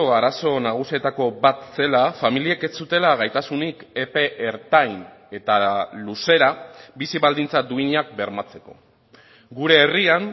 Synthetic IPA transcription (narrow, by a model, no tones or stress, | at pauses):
oaɾaso̞naɣ̞usie̞t̪ako̞bat̪se̞lafamilieke̞st͡sut̪e̞laɣ̞ajt̪asunikepe̞ʔeɾt̪ajn | e̞t̪aluse̞ɾabisiβald̪int͡sad̪uiɲak̚be̞ɾmat͡se̞ko̞̰ | ɡuɾe̞ːriaŋ